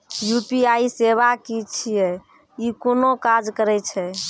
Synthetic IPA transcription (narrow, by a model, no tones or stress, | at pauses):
jupiaiseβakit͡ʃʰijɛ | ikonokad͡ʒkəɾɛt͡ʃʰɛ